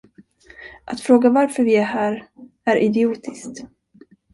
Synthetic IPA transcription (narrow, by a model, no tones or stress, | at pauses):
ʔat̪fɾoːɡavaɾfœɾvɪæɦæːɾæɾʔɪd̪ɪuːt̪ʰɪskt̪